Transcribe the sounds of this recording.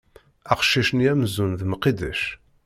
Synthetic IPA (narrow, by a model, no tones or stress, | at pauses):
æqʃːiʃənjæmzunðmqːid̪æʃ